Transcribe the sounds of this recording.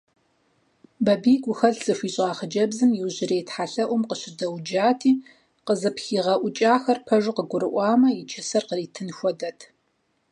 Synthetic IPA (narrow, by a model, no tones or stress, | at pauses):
bɐbiːɡʷʊxɐɮz̥ɨfʷiːɕʼɑːχəd͡ʒɐbzɨmjɪwʑɪɾeːjtħaɬɐʔʷʊmqəɕɪdɐwd͡ʒaːtʰiː | qəzɨpxiːʁɐʔʷʊt͡ʃʼaːxɐrpʰɐʒɨqəɡʷʊɾɨʔʷɑːmɐjɪt͡ʃʰɐsɐrqəriːtʰɨnxʷɔdɐtʰ